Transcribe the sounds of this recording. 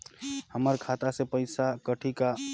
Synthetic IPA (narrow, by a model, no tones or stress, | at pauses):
həməɾkʰat̪asepəɪsakəʈʰika